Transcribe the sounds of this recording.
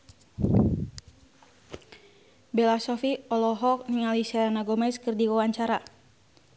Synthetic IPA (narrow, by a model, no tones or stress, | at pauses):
bɛlasɔfiɔlɔɦɔk̚niŋalisaanaɡɔmɛskɨrdiwawaɲt͡ʃaɾa